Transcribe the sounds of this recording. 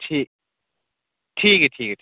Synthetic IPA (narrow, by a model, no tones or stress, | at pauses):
ʈʰik | ʈʰikʈʰikʰ